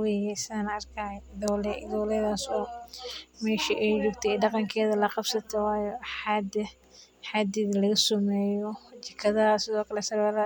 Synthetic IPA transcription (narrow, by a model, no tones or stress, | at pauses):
wejɛsɪðaːnɐrkʰad̪ɔwlɛd̪ɔwlɛðaːsɔː | mɛːʃiʔɛjd͡ʒʊːɡt̪ʰɛɖɑqɑŋkʰɛːðɐlɐqɑb̥sɐt̪ʰɔwɑːjɔħɑd̪ɐ | ħɑːd̪iðɐlɐɣɐsʊmɛːjɔt͡ʃɐkʰɐðɐɐsɪðɔːkʰɐlɛsɐɾɐlɐ